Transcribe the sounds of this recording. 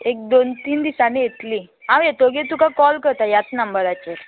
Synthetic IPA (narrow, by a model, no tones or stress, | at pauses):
ek̚d̪ont̪iːnd̪isanĩjet̪li | ɦãʋjet̪oɡet̪ukakɔlkəɾt̪ajat͡snəmbəɾat͡ɕeɾ